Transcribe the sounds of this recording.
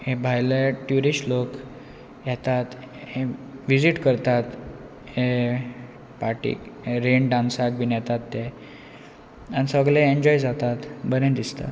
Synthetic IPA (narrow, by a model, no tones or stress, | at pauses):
hẽbʱajleʈjuɾiɕlok | jɛt̪at̪ | heʋid͡ziʈkəɾt̪at̪ | he | paʈḭːkɦeɾeɳɖãnsak̚binjɛt̪at̪ːe | anisəɡlẽeɲd͡ʑɔjd͡zat̪at̪bəɾẽnd̪ist̪a̰t̪